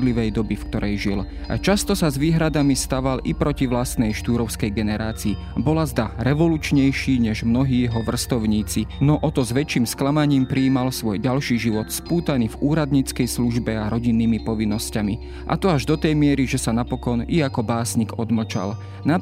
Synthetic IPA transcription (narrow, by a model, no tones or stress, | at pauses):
d̪liʋɛjd̪ɔbifkt̪ɔɾʔɛjʒil | a̰t͡ʃast̪ɔsazʋiːɦɾad̪amist̪aʋalipɾɔciʋlast̪nɛjʃt̪uːɾɔʊskɛjɡɛnɛɾaːt͡siː | bɔlazd̪aɾɛʋɔluːt͡ʃɲɛjʃiːɲɛʒmnɔɦiːjɛɦɔʋr̩st̪ɔʊɲiːt͡sinɔʔɔt̪ɔzʋɛt͡ʃiːmsklamaɲiːmpɾiːmalsʋɔjɟalʃiːʒiʋɔt̪spuːt̪aniːvuːɾad̪ɲiːt͡skɛjsluʒbɛaɾɔɟinːiːmipɔʋinːɔscami | ʔa̰t̪ɔaʒd̪ɔt̪ɛjmɪɛɾiʒɛsanapɔkɔniakɔbaːsɲiɡɔd̪ml̩t͡ʃa̰l | na